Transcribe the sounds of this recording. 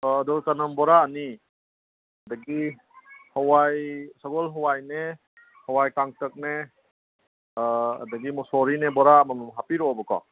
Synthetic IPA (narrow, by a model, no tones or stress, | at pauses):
dɔtanɐmbɔɾaːni | dəɡi | hɔwajsaɡɔlɦɔwajne | hɔwajkaŋtək̚ne | ɐ̰dəɡimusɔɾinebɔɾamanumɦapiɾɔbɔkɔ̰